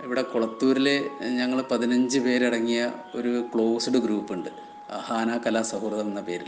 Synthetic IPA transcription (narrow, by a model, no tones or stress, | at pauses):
iʋiɽe̞kuɭɐt̪ːuːɾile̞ɲɐŋːɐɭpɐðinɐɲd͡ʑɨpe̞ːɾɐɽɐŋːijɐo̞ɾukɭo̞ːsɨɽɨɡɾuːpːuɳɖɨ | ɐ̰haːnaːkːɐlaːsɐɦuːrðɐmenːɐpe̞ːɾḭl